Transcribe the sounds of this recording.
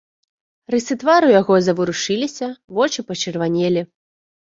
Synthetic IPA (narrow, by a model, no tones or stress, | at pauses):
rɨsɨt̪vaɾujaɣɔzɐvɨɾuʂɨlʲisʲɐvɔt͡ʂɨpɐt͡ʂɨrvanʲelʲi